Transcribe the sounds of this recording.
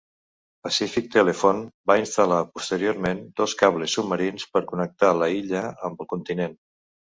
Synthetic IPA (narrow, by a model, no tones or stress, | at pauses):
pəsifik̚t̪əlefonbainst̪əlapust̪əɾioɾmend̪ɔskaβlesːubməɾinspəɾkunək̚t̪aləiʎəəmbəlˠkunt̪inen